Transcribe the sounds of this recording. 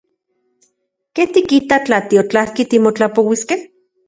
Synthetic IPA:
keht̪ikit̪at͡ɬat̪iot͡ɬahkit̪imot͡ɬapowiskeh

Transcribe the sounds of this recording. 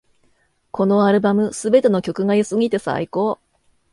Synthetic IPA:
ko̞no̞aɾɯ̟bamɯ̟sɨbe̞t̪e̞no̞kʲo̞kɯ̟ɡaisɨɡʲit̪e̞sa̰ikoː

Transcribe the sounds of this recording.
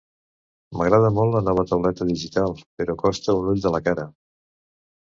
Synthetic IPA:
məɣ̞ɾað̞əmɔlˠtːlənɔβ̞ət̪əwlɛt̪əðiʒit̪alˠpəɾɔkɔst̪əunuʎd̪ələkaɾə

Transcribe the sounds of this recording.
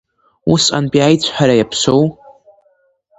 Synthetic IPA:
usa̰npʼiajt͡ɕʷʰħaɾajapʰsʷo̞w

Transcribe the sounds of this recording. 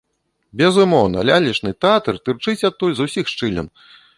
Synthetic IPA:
bʲɛzumɔwnɐ̰lʲalʲit͡ʂnɨt̪ɛat̪ɨrt̪ɨrt͡ʂɨt͡sʲat̪ːulʲzusʲixʂt͡ʂɨlʲɐ̰n

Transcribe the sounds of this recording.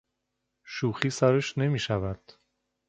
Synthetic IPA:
ʃuːxiːsæɾeʃne̞miːʃævæd̪̥

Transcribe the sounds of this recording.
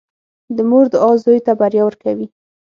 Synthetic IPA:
d̪əmoɾd̪əɑzojt̪abaɾjawəɾkawi

